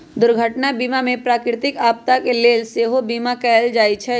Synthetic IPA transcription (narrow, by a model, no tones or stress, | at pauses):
d̪ʊɾɡʱəʈnabiːmamẽpɾaːkɾɪt̪ɪkaːp̚t̪akeleːlseːɦobiːmakɛːld͡ʒaːit͡ʃʰɛ